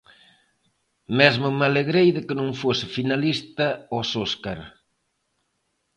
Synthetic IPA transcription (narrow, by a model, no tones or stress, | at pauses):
mezmʊmaleɣɾejðɪkɪnũŋfosɪfinalist̪ɐɔsoskaɾ